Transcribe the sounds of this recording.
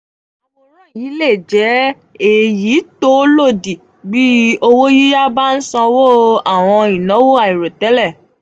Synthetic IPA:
ɔ˧ɾã˦ji˨˦le˦˨d͡ʒɛ˨˦ | e˨ji˨˦to˦lo˦˨di˨ | bi˦o˧wo˦ji˦ja˦ba˦n̩˦sɔ̃˧wo˦a˦˨w̃ɔ̃˧ĩ˨nɔ̃˨˦wo˦a˦˨i˨ɾo˨tɛ˨˦lɛ˦˨

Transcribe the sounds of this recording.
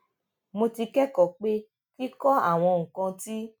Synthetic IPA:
mo˧ti˧kɛ˦kɔ˨k͡pe˦ | ki˦kɔ˦a̰˦˨w̃ɔ̃˧ŋ̩˨kã˧ti˦

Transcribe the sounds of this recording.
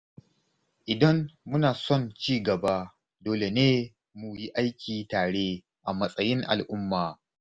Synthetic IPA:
ʔɪ˨dɐ˦mːʊ˦naː˨sɔ˦˨nt͡ʃiː˦˨ɡɐ˨baː˦ | doː˨le˨neː˦ | mu˨ji˦ʔa˦jkʲiː˨taː˨ɽe˦ | ʔa˨mɐ˦sʼɐ˦jɪ˦ŋʔa̰˨lʔʊ˦mːaː˨

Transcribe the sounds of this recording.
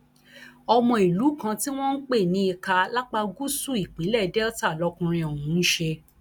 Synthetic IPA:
ɔ˧mɔ̃˧i˨lu˨˦kã˧ti˦w̃ɔ̃˦n̩˦k͡pe˦˨nĩ˧i˧ka˧la˦k͡pa˧ɡu˦su˦˨i˨k͡pe˨˦lɛ˦˨dɛ˦ɔ˦ta˦˨lɔ˨˦kũ˧ɾ̃ĩ˧ɔ˨wũ˨˦n̩˦ʃe˧

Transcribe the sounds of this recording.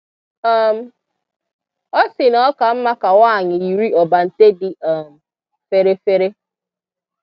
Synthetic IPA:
ɔ˦m̩˦ | ɔ˦sɪ˨nɔ˦ka˨m̩˦ma˦ka˨waː˦˨ɲɪ˨i˨ɾi˦ɔ˨ba˨n̩˨te˦dɪ˨a˨m̩˨ | fe˦ɾe˦fe˦ɾe˦

